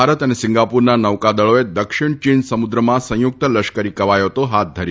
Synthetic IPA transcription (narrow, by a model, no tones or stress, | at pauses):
aɾət̪ənesɪ̃ŋɡapuɾnanəʋkad̪əɭoed̪əkʃiɳ̃t͡ʃinsəmud̪ɾəmãsə̃jʊk̚t̪ələʃkəɾikəʋajot̪oɦat̪̚d̪ʱəɾi